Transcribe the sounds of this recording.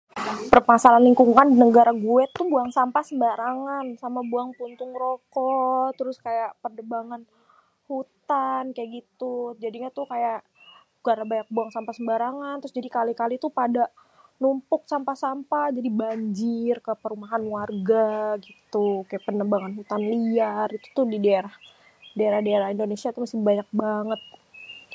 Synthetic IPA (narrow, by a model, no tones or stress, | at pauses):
pərmasalanliŋkuŋandinəɡaɾaɡuɛt̪ːubuaŋsampasəmbaɾaŋansamabuaŋpunt̪ʊŋɾokɔt̪əɾʊskajaʔpərdəbaŋan | hut̪ankajaʔɡit̪ud͡ʒadiɲat̪ʊkajaʔ | ɡaɾabaɲak̚buaŋsampasəmbaɾaŋant̪ɾʊsd͡ʒadikalikalit̪upada | numpʊk̚sampasampad͡ʒadibaɲd͡ʒɪrkəpəɾumaɦanwarɡaɡit̪ukajaʔpənəbaŋanɦut̪anliarit̪u̥t̪ʊhdidaeɾah | daeɾahdaeɾahindonesiat̪umasɪhbaɲak̚baŋət̪̚